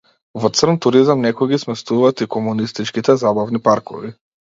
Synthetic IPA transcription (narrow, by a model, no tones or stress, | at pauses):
vɔt̪sr̩nt̪uɾizamnɛkɔjɡismɛst̪uvaːt̪ikɔmunist̪it͡ʃkit̪ɛzabavnipaɾkɔ̰vi